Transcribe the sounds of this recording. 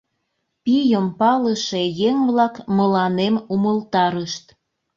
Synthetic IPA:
pijəmpɑləʃejeŋβlɑkməlɑnemuməlt̪ɑɾəʃt̪

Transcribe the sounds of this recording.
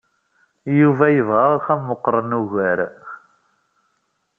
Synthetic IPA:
juvæjəvʁəʁxæmːəqːɾˤənuɣæɾ

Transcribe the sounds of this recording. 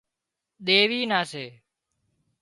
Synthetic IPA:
ɗ̪eːʋiːnaːseː

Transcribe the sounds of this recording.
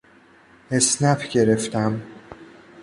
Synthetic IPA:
esnæfɟe̞ɾe̞ft̪ʰæm

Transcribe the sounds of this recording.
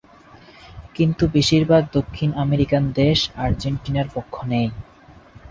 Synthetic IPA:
kint̪ubiʃiɾbʱaɡ̚d̪okʰːinameɾikand̪eʃaɾd͡ʑeɳʈinaɾpokʰːonej

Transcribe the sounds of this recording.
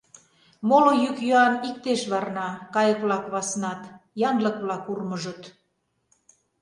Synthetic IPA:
molojykjøɑnik̚t̪eʃβɑrnɑkɑjəkβlɑkβɑsnɑt̪jɑnləkβlɑkurməʒət̪

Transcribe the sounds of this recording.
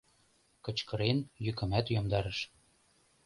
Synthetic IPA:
kɤ̆t͡ɕkɤ̆ɾenjykə̆mæt̪jomd̪ɑɾɤ̆ʃ

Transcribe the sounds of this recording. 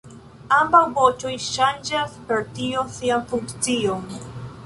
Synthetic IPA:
ambawvot͡ʃojʃand͡ʒaspeɾtiosianfuŋkt͡sion

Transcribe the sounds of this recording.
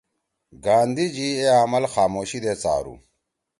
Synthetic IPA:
ɡaːnd̪id͡ʑieamɐlxaːmoːɕid̪eːt͡sa̰ːɾṵ

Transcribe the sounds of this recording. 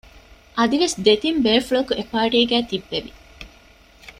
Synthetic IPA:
ʔɐd̪iʋesd̪et̪imbeːfuɭokuekaːʈiːɡæːt̪ibːeʋi

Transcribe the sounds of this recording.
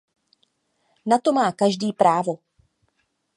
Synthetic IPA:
nat̪o̞maːkaʒdiːpɾaːvo̞

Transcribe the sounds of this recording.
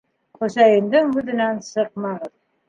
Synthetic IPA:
χɵ̆sæjɘ̆md̪ɘŋhʉðɘ̆nænsɤq̚mɑʁɤð

